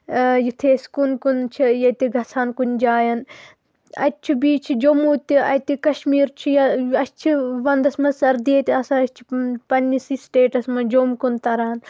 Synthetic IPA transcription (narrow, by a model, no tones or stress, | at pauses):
jit̪ʰeːskunkunt͡ʃʰijɐt̪iɡʱɐsʰaːnkunʲd͡ʒaːjɐn | ɐ̰t̪̚ʲt͡ʃʰibiːt͡ʃʰid͡ʒomuːt̪ʲiɐ̰t̪ikɐʃmiːɾt͡ʃʰijɐɐst͡ʃʰiʋɐnd̪ɐsmɐsɐɾd̪iet̪iɐsãɐst͡ʃʰi̥pɐnːisiːsʈeːʈɐsmɐd͡ʒomkunt̪ɐɾaːn